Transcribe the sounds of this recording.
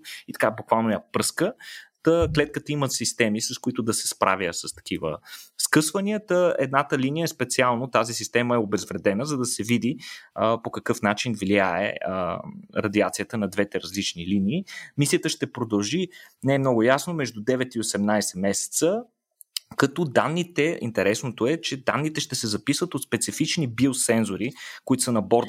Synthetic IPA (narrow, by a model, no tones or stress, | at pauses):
it̪ɐ̥kabukvalˠnojəpskət̪əklɛt̪̚kət̪əimət̪sist̪ɛmisɐskʊit̪ʊd̪ɐsɛ̥spɾʔa̰vʲjəsɐst̪ɐ̥kʰivə̰skɤsvəniət̪əɛ̰d̪nat̪əlinijəɛspɛt̪sialˠnot̪azisist̪ɛməɛobɛzvɾɛd̪ɛnəzɐd̪ɐsɛvid̪iəpokɐkɤfnat͡ʃinvliaɛ̰əɾɐd̪iat̪sijət̪ənɐd̪vɛt̪ɛɾɐzlit͡ʃniliniːmisijət̪əʃt̪ɛpɾod̪ɐlˠʒinɛːmnɔɡʊjasnomɛʒd̪ud̪ɛvɛt̪iosɛmnajsɛmɛsɛ̥t̪sə | kɐt̪ɔd̪anːit̪ɛʔḭnt̪ɛɾɛsnot̪oɛt͡ʃɛd̪a̰nːit̪ɛʃt̪ɛsɛzɐpisvət̪ot̪spɛt̪sifit͡ʃnibiosɛnzoɾikoit̪osənɐbɔɾ